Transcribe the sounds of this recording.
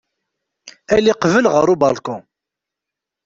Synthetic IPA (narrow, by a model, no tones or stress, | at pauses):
æliqvəlʁəɾˤubɑlkʊ